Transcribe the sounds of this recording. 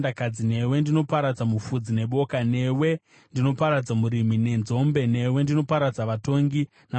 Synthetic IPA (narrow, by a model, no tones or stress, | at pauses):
ndakad͡zine̞we̞ndino̞paɾad͡zamufud͡zine̞ɓo̞kane̞we̞ | ndino̞paɾad͡zamuɾimine̞nzo̞mbe̞ne̞we̞ndino̞paɾad͡zaʋato̞ŋɡi | na